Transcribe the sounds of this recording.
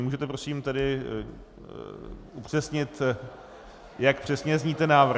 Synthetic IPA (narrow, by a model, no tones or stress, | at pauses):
muːʒɛt̪ɛpɾo̞simt̪ɛdɪ | ʔupr̥ɛsɲɪt̪ | jakpr̥ɛsɲɛzɲiːt̪ɛnaːvr